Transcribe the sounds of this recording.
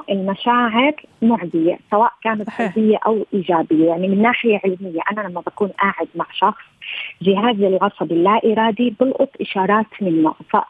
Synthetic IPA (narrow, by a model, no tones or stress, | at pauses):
ʔɪlmaʃaːʕɪɾmʊʕzɪjasawaːʔkaːnat̪sɑbɪjːaʔawʔiːʒaːbɪjːajaʕnimɪnːaːħɪjaʕɪlmɪjːaʔanalamːabakuːnʔaːʕɪd̪maʕʃɑxsˤʒɪɦaːzɪlʕɑsˤɑbɪlːaʔiːɾˤɑːd̪ibɪlʔʊt̪ˤʔɪʃɑːɾˤɑːt̪mɪnːʊ̰ʔfa̰